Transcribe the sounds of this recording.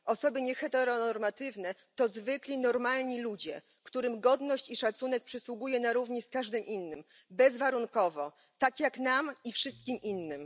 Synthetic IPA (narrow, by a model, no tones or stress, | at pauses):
ʔɔsɔbɘɲɛxɛt̪ɛɾɔnɔɾmat̪ɘvnɛt̪ɔzvɘklʲinɔɾmalɲilud͡ʑɛ | kt̪uɾɘmɡɔd̪nɔɕt͡ɕiʂat̪sunɛk̚pʂɛswuɡujɛnaɾuvɲɛskaʐd̪ɘmʔinːɘm | bɛzvaɾunkɔvɔ | t̪akʲjaknamifʂɘst̪̚kʲimʔinːɘm